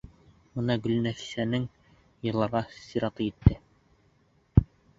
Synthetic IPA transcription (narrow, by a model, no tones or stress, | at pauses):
mɤnɑɡɵ̆lnæfi̥sænɘŋ | jɤ̆lˠɑɾʁɑsiɾɑt̪ɤjit̪ːɘ